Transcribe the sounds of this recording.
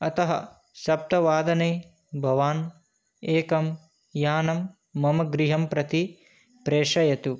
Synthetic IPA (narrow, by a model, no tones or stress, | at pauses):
ɐt̪ɐɦɐ̰ | ʃɐp̚t̪ɐʋaːd̪ɐneː | bʱɐʋaːn | eːkɐm | jaːnɐmː | ɐmɐɡɾiɦɐmpɾɐt̪i | pɾeːʂɐjɐt̪u